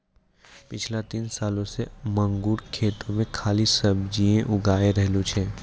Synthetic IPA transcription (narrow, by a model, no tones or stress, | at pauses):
pɪt͡ʃʰlat̪iːnsaːlõsemə̃ŋɡuːɾkʰeːt̪õmẽkʰaːlisəbd͡ʒiẽʔʊɡaːeɾɛɦlũt͡ʃʰɛː